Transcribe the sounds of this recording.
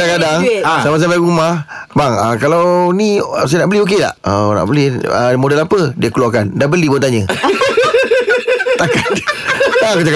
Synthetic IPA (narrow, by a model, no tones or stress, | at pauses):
daŋkadaŋsamas̬ampajɾumah | baŋakalawnis̬ajnaʔbəliok̬ela̰ʔəna̰ʔbəlɪhəmodalapədiakluakandabəlibot̪aɲə | akat̪ | akut̪ak